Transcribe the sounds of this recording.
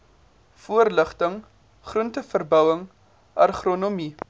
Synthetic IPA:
fuərləχtəŋ | χruəntəfərbœwəŋ | ʔɐ̰rχronomi

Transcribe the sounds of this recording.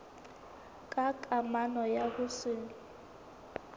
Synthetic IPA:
kʼakʼamanɔjakusiːnu

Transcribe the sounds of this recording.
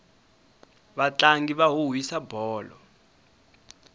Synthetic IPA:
βat͡ɬaŋɡiβaɦuɦwisabʱɔːlɔ̰

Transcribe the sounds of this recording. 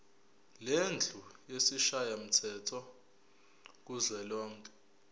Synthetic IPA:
lend͡ɮʱujesiʃajam̩tʰɛtʰɔ | k̬uzwɛlɔːŋkʼɛ̥

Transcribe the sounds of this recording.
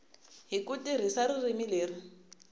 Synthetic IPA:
ɦikutʼiɾ̤isaririmileːri

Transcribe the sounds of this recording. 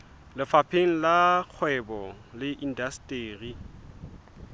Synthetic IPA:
lɪfapʰeŋ̩lak͡xʰwɛbɔlɪʔin̩dastʼeːri

